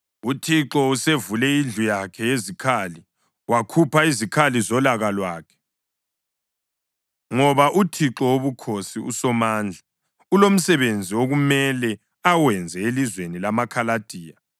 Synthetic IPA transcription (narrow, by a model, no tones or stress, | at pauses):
utʰiǁɔusevulɛind͡ɮʱujakʰɛezikʰali | wakʰupaizikʰalizɔlaɣalwaːkʰɛ̥ | ŋɔβaʔutʰiǁɔwoβukʰosiṵsɔmaːnd͡ɮʱa | ulom̩sɛβend͡zʱioɣumɛlɛ | awɛnd͡zʱɛelizwenilamakʰalad̥ʱiːja